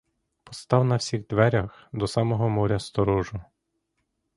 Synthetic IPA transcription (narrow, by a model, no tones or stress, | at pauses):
pɔ̥st̪ɑwnɐwsʲiɣd̪ʋɛɾʲɐx | d̪ɔsɑmɔɦɔmɔɾʲɐst̪ɔɾɔʒʊ